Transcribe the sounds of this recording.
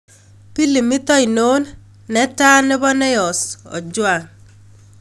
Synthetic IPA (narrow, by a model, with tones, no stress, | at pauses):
pi˦li˨mɪ˦t̪ɔ˦i˨no˦nː | ɛ˦ta˦nɪ˦bɔ˦nɛ˦jɔ˨sɔ̰˨d͡ʒwa˨ŋ